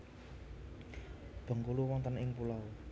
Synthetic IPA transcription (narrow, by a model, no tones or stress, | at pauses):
b̥ɔ̤ŋkuluwɔnt̪ənɪŋpulaw